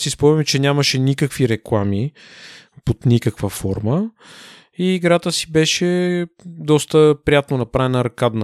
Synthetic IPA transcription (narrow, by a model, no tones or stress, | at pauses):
sispɔmɛmt͡ʃɛnʲaməʃɛnikəkviɾɛklˠami | ot̪nikəkvəfɔɾmə | iːɡɾat̪əsi̥bɛʃɛ | d̪ɔst̪əpɾijat̪nonɐpɾavɛnəɾɐkad̪nə